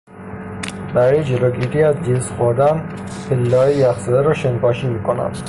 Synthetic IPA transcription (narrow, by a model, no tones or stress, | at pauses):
bæɾɒːjed͡ʒeloːɡiːɾiːæzd͡ʒesxoɾd̪æn | pʰelːæɒːjejæfsed̪æɾɒːʃenpɒːʃiːmiːkʰonæ̰m